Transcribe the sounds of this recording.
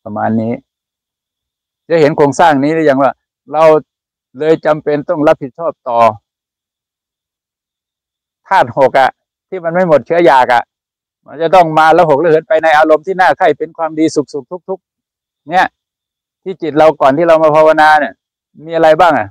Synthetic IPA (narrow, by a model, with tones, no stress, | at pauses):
a˧ma̰ː˧nːiː˦˥ | t͡ɕa˧˩˦he˨˦nkʰoː˧ŋsaː˥˩ŋniː˦˥lɯː˧˦˨ja˨˩ŋwaː˧˥˩ | la˧w | lɤː˧jt͡ɕa˧mpe˧nt̪ɔ˥˩ŋla˦˥p̚hi˨˩t̪̚t͡ɕʰɔː˥˩p̚t̪ɔː˨˩ | t̪ʰaː˥˩t̪̚ho˨˩k̚ʔa˨ʔ | t̪ʰiː˥˩ma˧nma˥˩jmo˨˩t̪̚t͡ɕʰɯ˦˥ɐjaː˨˩k̚ʔa̰˨˩ʔ | ma˧t͡ɕa˧˩˦t̪ɔ˥˩ŋmaː˧laː˧˥wɦo˨˩k̚la˧˥˩ɦɤ˨˦npa˧jna˧jʔaː˧lo˧mt̪ʰiː˥˩naː˥˩kʰa˧˥˩jpe˧nkʰwaː˧mdiː˧su˨˩k̚su˨˩k̚t̪ʰu˦˥k̚t̪ʰu˦˥k̚ | ni˦˥ɐʔ | t̪ʰiː˥˩ki˨t̪̚la˧wkɔː˨˩nt̪ʰiː˥˩ɾa˧wmaː˧pʰa˧wa˧naː˧ni˧˩ | miː˧ʔa˧ɾa˧jbaː˥˩ŋʔa˨˩